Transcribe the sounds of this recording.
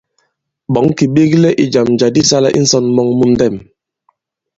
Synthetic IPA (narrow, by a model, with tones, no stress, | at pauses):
bɔ˨˦ŋki˨ɓe˦klɛ˦ʔi˨d͡ʒa˨md͡ʒa˨di˦sa˦la̰˦ʔḭ˦n̩˦sɔ˦nmɔ˦ŋmu˦n˦dɛ˦˨m